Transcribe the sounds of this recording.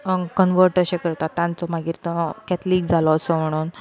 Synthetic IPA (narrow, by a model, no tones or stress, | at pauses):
kənʋəɾʈəɕẽkəɾt̪at̪ːjãnt͡sɔmaɡiːɾt̪ɔkæt̪ʰliːɡd͡zʱalɔəsɔm̤əɽ̃uːn